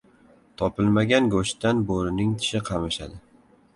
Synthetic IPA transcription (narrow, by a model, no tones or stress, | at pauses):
t̪ʰɒpɪlmaɡʲanɡoʃt̪anboɾɪnɪŋt̪ʰɪ̥ʃɪqʰɑmɪʃa̰d̪ɪ